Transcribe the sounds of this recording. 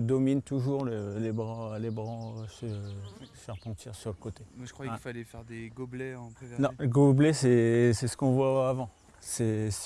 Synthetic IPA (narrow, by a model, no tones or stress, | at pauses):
d̪ɔmint̪uʒuʁləlebʁɑ̃lebʁɑ̃øsə | fɛʁpɑ̃t̪iʁsyʁləkot̪emwaʒə̥kwafalɛfɛʁd̪eɡoblɛɑ̃pɛvɛnɔ̃ləɡoblɛsɛsɛsə̥kɔ̃vwaːvɑ̃ | sɛs